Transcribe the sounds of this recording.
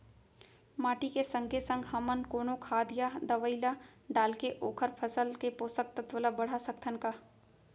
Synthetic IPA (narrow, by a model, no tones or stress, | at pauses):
maːʈikesə̃ŋɡʱesə̃ŋɡɦɐmənkoːnokʰaːd̪jad̪əʋəɪlaɖaːlkeʔoːkʰəɾpʰəsəlkepoːsək̚t̪ət̪ʋəlabəɽ̤asək̚t̪ʰənkaː